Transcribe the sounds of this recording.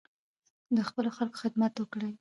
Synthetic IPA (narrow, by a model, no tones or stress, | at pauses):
d̪əxpəloxalko̥xɪd̪mat̪wəkɽəj